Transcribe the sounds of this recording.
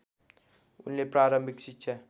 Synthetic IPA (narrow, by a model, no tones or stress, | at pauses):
ṵnlepɾaɾəmbʱiksitt͡ʃʰʌ